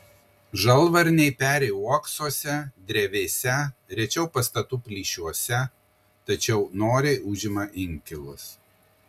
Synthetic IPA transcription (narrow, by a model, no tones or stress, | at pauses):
ʒɐlˠʋɐɾʲnʲɛɪpʲæːɾʲɛɪuɔksoːsʲɛd̪ʲɾʲɛʋʲeːsʲɛɾʲɛt͡ʃʲɛʊpɐst̪ɐt̪uːpʲlʲiːʃʲuɔsʲɛ | t̪ɐt͡ʃʲɛʊnoːɾʲɛʊʒʲɪmɐʔɪŋʲkʲɪlˠʊs